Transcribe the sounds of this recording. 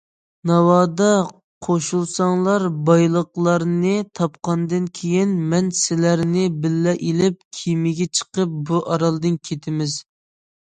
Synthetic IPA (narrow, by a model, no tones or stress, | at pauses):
nɑwɑːd̪ɑ | qʰoʃulˠsɑŋlˠɑɾbɑjlˠəqlˠɑɾnɨt̪ʰɑpqɑnd̪ɨnkʲʰejinmɛnsɪlæɾnɪbɪlːɛʔilɪp̚kʲʰimɪɡʲɛt͡ʃʰə̥qəp̚buʔɑɾɑlˠd̪ɨnkʲʰet̪ʰɪmɪz̥